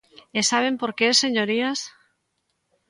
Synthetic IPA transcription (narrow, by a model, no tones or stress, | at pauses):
esaβ̞e̞mpo̞ɾkeeseɲoɾias